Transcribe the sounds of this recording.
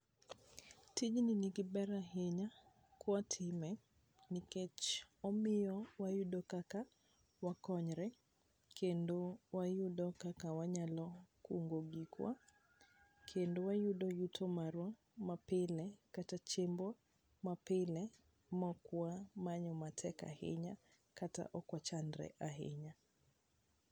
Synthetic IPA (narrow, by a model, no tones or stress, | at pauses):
tid͡ʒniniɡɪbɛɾaɦeɲa | kwatʰɪmɛ | nɪkɛt͡ʃɔmɪjɔwajudɔkaka | wakɔɲɾɛ | kʰendowajudɔkakawaɲalɔkuŋɡoɡikʰwa̰ | kʰendowajuɗɔjutʰɔmaɾwa | mapɪlɛkatat͡ʃembwa | mapɪlɛ | mɔkuamaɲɔmatʰɛka̰hḛɲa | kata̰ʔɔkwat͡ʃandɾɛ̰ʔaɦḛɲa